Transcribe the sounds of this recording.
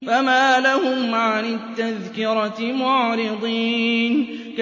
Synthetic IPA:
famaːlahʊmʕanɪt̪ːaðkɪɾɑmʊʕɾɪd̪ˤiːnk

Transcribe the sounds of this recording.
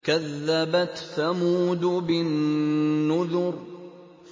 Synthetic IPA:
kaðːabat̪θamuːd̪ʊbɪnː | ʊðʊɾ

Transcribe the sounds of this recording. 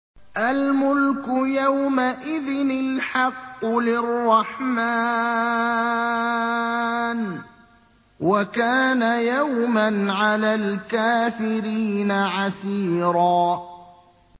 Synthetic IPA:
ʔalmʊlkʊjawmaʔɪðɪnɪlħɑqːʊlɪrˤːɑħma | n | wakaːnajawmanʕalaːlkaːfɪɾiːnaʕasiːɾˤɑː

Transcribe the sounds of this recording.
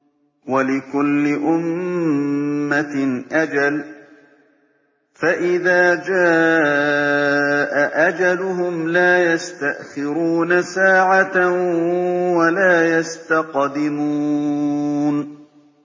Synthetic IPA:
walɪkʊlːɪʔʊm | aʔad͡ʒal | faʔɪðaːd͡ʒaː | ʔaʔad͡ʒalʊhʊmlaːjast̪aʔxɪɾuːnasaːʕat̪a | walaːjast̪aqd̪ɪmuː | n

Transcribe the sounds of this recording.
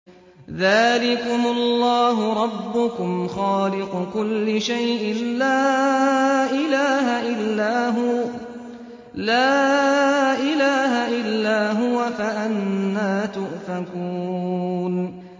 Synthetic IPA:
ðaːlɪkʊmʊlːɑːɦʊɾˤɑbːʊkʊmxɑːlɪqʊkʊlːɪʃajʔɪnlaː | ʔɪlaːɦaʔɪlːaːɦʊ | laː | ʔɪlaːɦaʔɪlːaːɦʊwafaʔanːaːt̪ʊʔfakuːn

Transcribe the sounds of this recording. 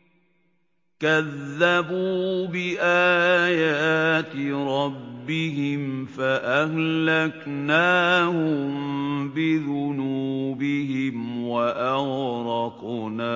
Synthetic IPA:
kaðːabuːbɪʔaːjaːt̪ɪɾˤɑbːɪɦɪmfaʔahlaknaːhʊmbɪðʊnuːbɪhɪmwaʔaɣɾˤɑqː | naː

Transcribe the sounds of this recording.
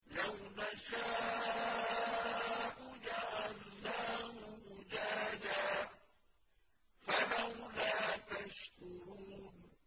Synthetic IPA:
lawnaʃaː | ʔʊd͡ʒaʕalːaːhʊhʊd͡ʒaːd͡ʒaː | falawlaːt̪aʃkʊɾuːn

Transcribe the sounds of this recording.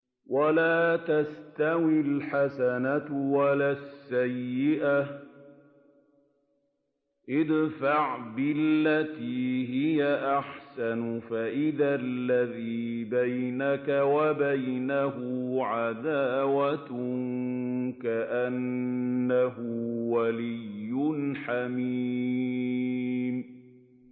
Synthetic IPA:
walaːt̪ast̪awɪlħasanawalaːsːajːɪʔa | ʔɪd̪faʕbɪlːat̪iːɦɪjaʔaħsanʊfaʔɪðalːaðiːbajnakawabajnaɦʊʕad̪aːwat̪ʊŋkaʔanː | aɦʊwalɪjːʊnħami | m

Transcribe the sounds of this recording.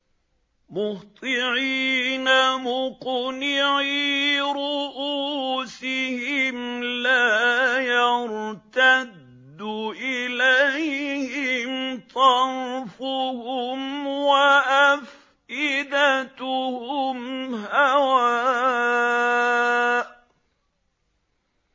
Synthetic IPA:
mʊht̪ˤɪʕiːnamʊqnɪʕiɾʊʔuːsɪhɪmlaːjɑɾt̪ad̪ːʊʔɪlajhɪmt̪ˤɑɾfʊhʊmwaʔaf | ʔɪd̪at̪ʊhʊmhawa

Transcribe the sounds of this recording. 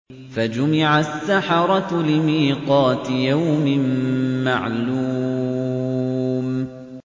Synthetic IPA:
fad͡ʒʊmɪʕasːaħɑɾˤɑlɪmiːqɑːt̪ɪjawmɪmːaʕluː | m

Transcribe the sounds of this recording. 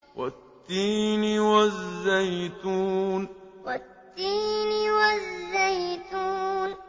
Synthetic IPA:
wat̪ːiːnwazːajt̪uːnwat̪ːiːnɪwazːajt̪un

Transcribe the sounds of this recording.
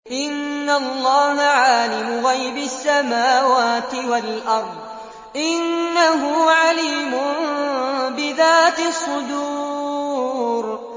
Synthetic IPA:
ʔɪnːalˤːɑːɦaʕaːlɪmʊɣajbasːamaːwaːt̪ɪwalʔɑɾˤd̪ˤ | ʔɪnːaɦʊʕaliːmʊ | bɪðaːt̪ɪsˤːʊd̪uː | ɾ

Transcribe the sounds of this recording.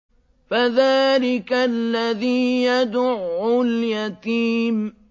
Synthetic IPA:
faðaːlɪkalːaðiːjad̪ʊʕːʊljat̪iːm

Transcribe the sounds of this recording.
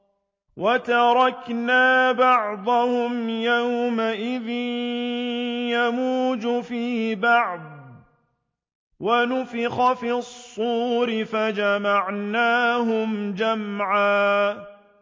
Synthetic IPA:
wat̪ɑɾˤɑknaːbɑʕd̪ˤɑhʊmjawmaʔɪðɪn | jamuːd͡ʒʊfiːbɑʕd̪̚ˤ | wanʊfɪxafisˤːuːɾɪfad͡ʒamaʕnaːɦʊmd͡ʒamʕaː

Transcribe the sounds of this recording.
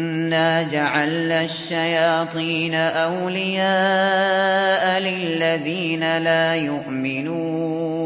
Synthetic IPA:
nːaːd͡ʒaʕalnaːʃːajaːt̪ˤiːnaʔawlɪjaː | ʔalɪlːaðiːnalaːjʊʔmɪnuː

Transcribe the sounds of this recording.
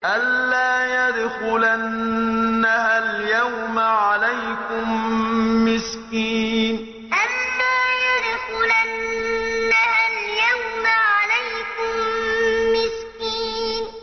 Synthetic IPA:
ʔalːaːjad̪xʊlanː | ahaljawmaʕalajkʊmː | ɪskiːn | ʔalːaːjad̪xʊlanː | ahaljawmaʕalajkʊmː | ɪskiːn

